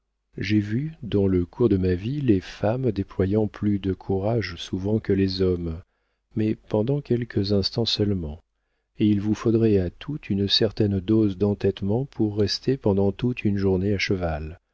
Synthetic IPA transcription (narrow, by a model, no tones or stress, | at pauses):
ʒevyd̪ɑ̃ləkʰuʁd̪əmavilefamd̪eplwajɑ̃plyd̪əkʰuʁaʒsuvɑ̃kəlezɔmː | ɛpɑ̃d̪ɑ̃kʲɛlkʰəzɛ̃st̪ɑ̃sœlmɑ̃ | eilvufod̪ʁɛat̪ʰut̪ʰynsɛʁt̪ɛnd̪ozd̪ɑ̃t̪ɛt̪mɑ̃pʰuʁːɛst̪ʰepɑ̃d̪ɑ̃t̪ut̪ʰynʒuʁneaʃəval